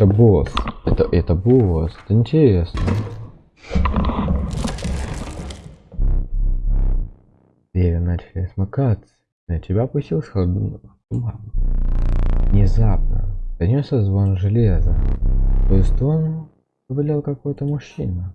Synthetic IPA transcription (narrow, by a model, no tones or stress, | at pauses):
ɛt̪əbosɛt̪əʔɛt̪əbosɛ̥t̪əɪnʲtʲɪɾʲesnə | ɾʲevʲɪnat͡ɕɪlʲɪsmakat̪sə̥ | nətʲɪbʲapʊsʲtʲilˠsʲ | t̪ʊba | vnʲɪzapnə̰t̪ɐnʲosʲəzvonʐɨlʲezə̰t̪oɪsʲt̪ʲon | zəbʲɪlʲelˠkɐkojət̪əmʊɕːinə